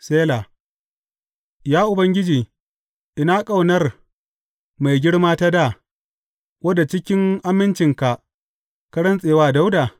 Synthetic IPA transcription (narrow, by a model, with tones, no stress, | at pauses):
seː˦la˨ | jaː˦ʔʊ˨bɐ˦ŋɡʲɪ˦d͡ʒiː˨ | ʔɪ˨na˦kʼa˦˨wnɐ˦r | ma˨jɡʲɪ˦ɽmaː˦ta˦da˦˨ | wɐ˦da˨t͡ʃɪ˦kʲɪ˦ŋʔa˦mːɪ˦nt͡ʃɪ˨ŋka˨ʔ | kɐ˦ɽɐ˦nsʼeː˨waː˦da˦wdaː˨